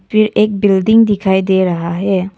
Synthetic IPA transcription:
pʰɪɾeːk̚bɪlɖɪ̃ŋɡd̪ɪkʰaːid̪eːɾɐɦaɦɛː

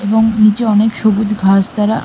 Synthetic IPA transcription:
eboŋnit͡ɕeɔnekʃoɡud̪ɡʱasd̪aɾa

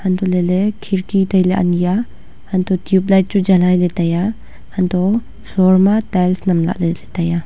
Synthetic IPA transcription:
hant̪ɔlelekʰiɾkit̪ajlaʔa̰nija | hɐnt̪ɔtjup̚lajt̚t͡ʃud͡ʒɐlajlet̪aja | hɐnt̪ɔ | sɔɾmatajlsnɐmla̰ʔlelet̪aja

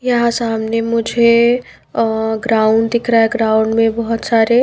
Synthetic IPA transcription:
jɐɦãsaːmnemʊd͡ʒʱe | ɡɾaːʊɳɖd̪ɪkʰɾaɦeɡɾaːʊ̃ɳɖmẽbɔɦʊt̪saːɾe

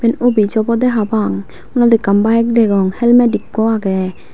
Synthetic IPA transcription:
bɛnɔbid͡ʒɔbɔd̪ɛɦabaŋ | unad̪ikambajɛk̚d̪ɛɡɔŋhɛlmɛdikːɔaɡɛ

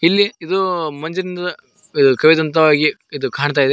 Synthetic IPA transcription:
ilːiid̪umɐɲd͡ʒɐɾind̪ɐ | id̪ukɐʋid̪ɐnt̪ɐʋaːɡi | id̪ukaːɳt̪̬aːjid̪e

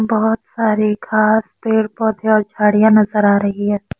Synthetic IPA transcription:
bɔɦʊt̪saːɾikʰaːspeːɽpɔːd̪iɔːɾt͡ʃʰaːɽijãnɐzəɾaːɾɐɦiɦɛː

